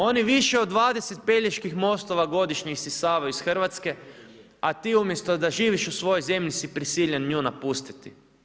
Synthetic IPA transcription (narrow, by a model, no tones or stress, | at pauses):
o̞niʋiʃeod̪ːʋaːd̪eset̪̚pe̞ʎeʃkixmo̞st̪o̞ʋaɡo̞d̪iʃɲisisaːʋajuisxr̩ʋat̪ske̞ | at̪iːumje̞st̪od̪aʒiːʋiʃusʋo̞jojze̞mʎisipɾisiːʎenɲuːnapust̪i̥t̪i